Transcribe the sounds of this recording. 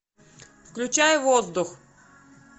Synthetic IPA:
fklʲʉt͡ɕajʊvozd̪ʊx

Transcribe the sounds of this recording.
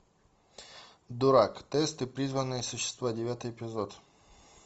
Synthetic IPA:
d̪ʊɾakt̪ɛst̪ɨpɾʲizvənːɨjəsʊɕːɪ̥st̪vadʲɪvʲat̪ɨjɪpʲɪzot̪

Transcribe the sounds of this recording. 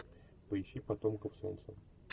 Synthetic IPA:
pəɪɕːipɐt̪omkəfso̞̰nt̪sə

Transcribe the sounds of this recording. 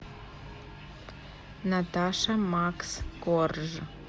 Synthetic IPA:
natʰaʂɐmaksɡorʒ

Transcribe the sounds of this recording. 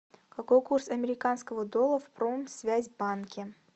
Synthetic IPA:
kɐkojkursɐmʲɪɾʲɪkanskəvəd̪olˠəfpɾomsvʲæzʲbankʲɪ

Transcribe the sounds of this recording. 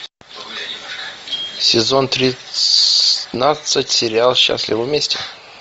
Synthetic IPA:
sʲɪzo̞nt̪ɾʲɪ | nasɨtʲsʲɪɾʲɪalˠɕːa̰sʲlʲɪvəvmʲesʲtʲɪ

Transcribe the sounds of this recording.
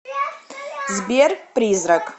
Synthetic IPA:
zbʲerprizrakʼ

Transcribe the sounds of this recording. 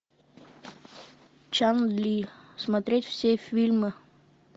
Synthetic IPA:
t͡ʃanlʲismat̪ɾʲet̪ʲfsʲefʲilʲmɨ

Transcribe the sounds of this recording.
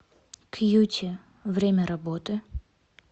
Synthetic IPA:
kʰjutʲʰɪ | vɾʲemʲəɾɐbot̪ɨ

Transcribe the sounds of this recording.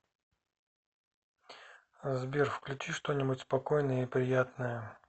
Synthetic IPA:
zbʲerfklʲʉt͡ɕiʂt̪o̞nʲɪbutʲspɐko̞jnəjəipɾʲɪjat̪nəjə

